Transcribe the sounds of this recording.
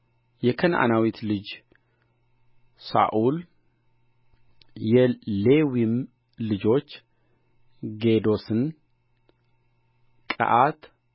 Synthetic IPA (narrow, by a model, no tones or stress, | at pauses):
jɛkʰənʔa̰nawit̪lɨd͡ʒ | sa̰ʔul | jɛlewim | lɨd͡ʒo̞t͡ʃː | ɡed̪o̞sɨn | kʼə̰ʔat̪